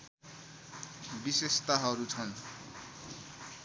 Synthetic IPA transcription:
bisest̪aɦʌɾut͡sʰʌn

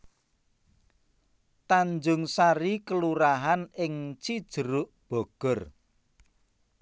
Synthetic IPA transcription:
t̪aɲd͡ʒʊŋsaɾikəluɾaɦanɪŋt͡ʃid̥ʒ̥ə̤ɾʊʔb̥ɔ̤ɡ̥ɔ̤r

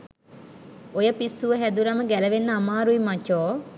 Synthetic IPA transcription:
ojəpisːuʋəɦæd̪uɾɐməɡæləʋenːəamaːɾuimat͡ʃoː

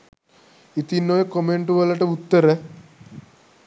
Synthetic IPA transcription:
it̪inːojekomeɳʈuʋɐlːɐʈɐut̪ːəɾe

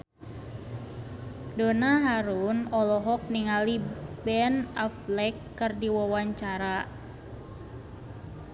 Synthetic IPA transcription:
donaɦaɾunɔlɔɦɔk̚niŋalibɛnaflɛkːərdiwawaɲt͡ʃaɾa

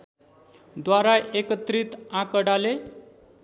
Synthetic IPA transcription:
d̪waɾaʔekət̪ɾit̪ãkəɽale

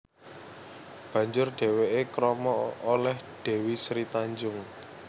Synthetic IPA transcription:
b̥ä̤ɲd͡ʒʊrɖ̥e̤weʔekɾɔmɔolɛhɖ̥e̤wisɾit̪aɲd͡ʒʊŋ

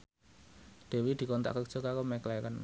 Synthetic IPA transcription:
ɖ̥e̤wid̪̥i̤kɔnt̪a̰ʔkək̚ʒ̥o̤kakomɛklakən

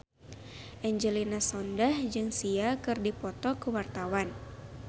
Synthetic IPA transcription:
ʔɛɲd͡ʒəlinasɔndahd͡ʒɨŋsiakɨrdipɔt̪ɔkəwart̪awan

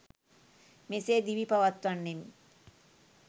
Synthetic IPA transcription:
meseːd̪iʋipaʋat̪ʋanːemi

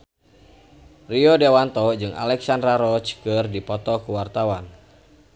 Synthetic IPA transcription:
riɔdewant̪ɔd͡ʒɨŋʔa̰lɛksandɾaɾɔt͡ʃkɨrdipɔt̪ɔkuwart̪awan

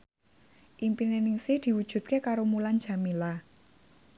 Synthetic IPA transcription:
ʔimpinenɪŋsɪhd̪̥i̤wud̥ʒ̥ṳt̪̚kekaɾomulan̥d͡ʒ̥a̤mila

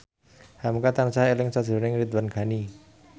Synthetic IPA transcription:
hamkat̪ansaɦelɪŋsad̥ʒ̥ɾunɪŋɾit̪̚wanɡ̥ani

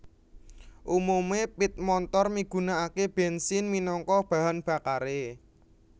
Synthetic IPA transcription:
ʔumumepit̪̚mɔnt̪ɔrmiɡ̥ṳnaakeb̥ɛnsɪnminɔŋkɔb̥a̤ɦanb̥a̤kaɾe

